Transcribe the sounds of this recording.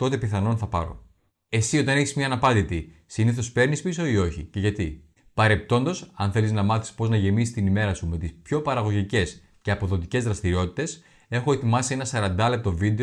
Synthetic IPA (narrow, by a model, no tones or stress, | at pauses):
t̪o̞t̪e̞piθɐno̞nθɐpɐ̰ɾo̞̰ | e̞sio̞t̪ɐne̞çizmɲɐːnɐpɐnd̪it̪isiniθo̞spe̞ɾnispiso̞io̞çḭce̞ʝɐt̪i | pɐɾe̞p̚t̪o̞nd̪o̞sɐnθe̞liznɐmɐθi̥spo̞znɐʝe̞misist̪inime̞ɾɐsume̞t̪ispço̞pɐɾɐɣo̞ʝice̞s | ce̞ɐpo̞ðo̞t̪ice̞zðɾɐst̪iɾio̞t̪i̥t̪e̞s | e̞xo̞e̞t̪imɐsie̞nɐsɐɾɐnd̪ɐle̞p̚t̪o̞vid̪e